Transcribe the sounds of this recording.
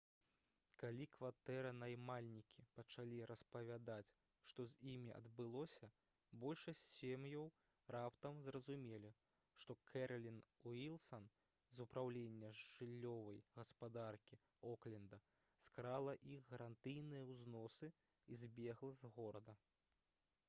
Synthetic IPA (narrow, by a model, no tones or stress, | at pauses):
kalʲikvat̪ɛɾɐnajmalʲnʲikʲipɐt͡ʂalʲiɾɐspɐvʲad̪at͡sʲ | ʂt̪ɔzʲimʲiʔɐ̰d̪bɨlˠɔsʲɐ | bɔlʲʂɐsʲt͡sʲsʲemjɐw | rapt̪ɐmzrɐzumʲelʲi | ʂt̪ɔkʰɛɾlʲinuilˠsɐn | zupɾawlʲenʲːɐʐɨlʲːɔvɐjɣɐspad̪arkʲi | ɔklʲɛnd̪ɐ | skɾalˠɐʔixɣɐɾant̪ɨjnɨjɐwznɔsɨ | izʲbʲɛɣlˠɐzɣɔɾɐd̪ɐ